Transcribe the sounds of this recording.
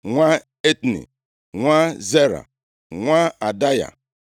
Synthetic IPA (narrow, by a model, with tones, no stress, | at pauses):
ŋʷa˦ | e˦tnḭ˨ | ŋʷa˦ze˦ɾa̰˨ | ŋʷa˦a˨da˦ja̰˨